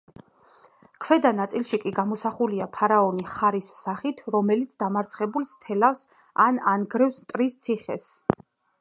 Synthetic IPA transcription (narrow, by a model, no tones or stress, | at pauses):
kʰvɛd̪anat̪sʼilˠʃikʼiɡamɔsaχuliapʰaɾaɔniχaɾisːaχit̪ʰɾɔmɛlit̪sʰd̪amaɾt̪sʰχɛbulˠst̪ʰɛlafs | ananɡɾɛfsmt̪ʼɾist̪sʰiχɛ̰s